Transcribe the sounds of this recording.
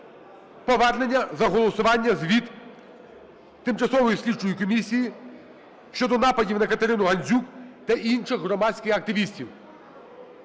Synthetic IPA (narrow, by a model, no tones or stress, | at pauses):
pɔʋɛrne̞nʲːɐzɐɦɔlˠɔsʊʋɑnʲːɐzʲʋʲid̪ | t̪ɪmt͡ʃɐsɔʋɔjisʲlʲit͡ʃʊjikɔmʲisʲiji | ʃt͡ʃɔd̪ɔnɑpɐdʲiwnɐkɐt̪eɾɪnʊɦɐnʲzʲukt̪ɐʔinʃɪxɦɾɔmɑsʲkʲɪxɐk̚t̪ɪʋʲisʲtʲiw